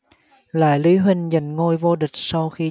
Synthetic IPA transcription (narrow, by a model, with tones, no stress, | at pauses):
la̰ː˧˨jli˨˦ɦï˧ŋ̟za˨˧˩jŋ̟ŋo˧jvo˧ɗï˨˩k̟̚sa˧wxi˧